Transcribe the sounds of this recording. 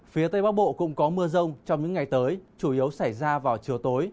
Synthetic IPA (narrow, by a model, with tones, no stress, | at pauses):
fi˨˦ət̪ə˧jɓaː˨˦˥wɓo̰˧˨kʊ̰˧˥ŋ͡mkɔ˨˦mɨ˧əzə˧wŋ͡mt͡ɕɔ˧wŋ͡mɲɨ̰˧˥ŋːa˨˩jt̪əː˨˦jt͡ɕu˧˩ʔi˨˦ə˦wsa˧˩jzaː˧vaː˨˩wt͡ɕi˨˩əwt̪o˨˦j